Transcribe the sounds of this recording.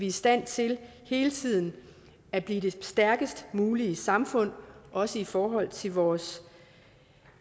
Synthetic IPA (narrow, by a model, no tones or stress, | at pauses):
ʋiisd̥æn̰t͡sʰe̝l | he̝ːlət͡sʰið̰ˠn̩ | æb̥liːd̥e̝sd̥æɐɡ̥əsd̥muːliəsɑ̈mfɔ̽n̰ʔɒ̽səifɒːɦɒ̽l̰t͡sʰe̝lʋɒːs